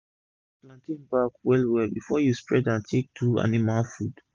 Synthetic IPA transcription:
plãntĩnbakwɛlwɛlbifɔjuspɹɛdãntʰek̚tua̰nimalfud̥

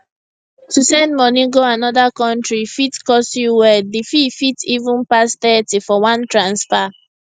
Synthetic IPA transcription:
tusɛ̃ndmɔnĩɡoanɔðakɔ̃ntɹifitkɔsjuwɛdififitivũnpastɛtifɔwãntɹãnsfa

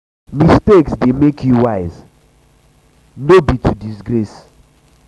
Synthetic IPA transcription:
misteksdemekʰjuwaɪz | nobitʰudisɡɾes

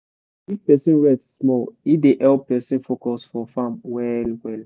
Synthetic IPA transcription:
ipɛsĩnɹɛdsmɔlideʔɛlppɛsĩnfokɔsfɔfãmwɛlwɛl

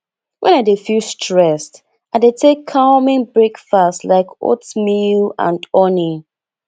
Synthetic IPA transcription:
wʔɛ̃nadefustɹɛst | adetʰekʰːamɪ̃ŋbɹekfastlaɪko̰tmilã̰ndɔni

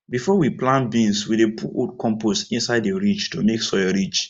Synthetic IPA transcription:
bifɔwiplãnbĩnswidepuʔodkɔ̃mpostĩnsaɪdeɹit͡ʃtomeksɔɹit͡ʃ

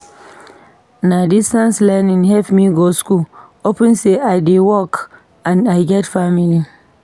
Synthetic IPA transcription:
nadistanslaninɦɛfmiɡɔskul | opɛnseadewɔk | ʔãnajɡɛtfamili

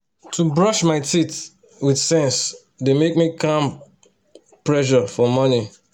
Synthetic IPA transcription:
tʰubɹʌʃmaɪtit | widsɛ̃ns | demek̚mikʰãm | pɹɛʃ̬ɔfɔmɔni

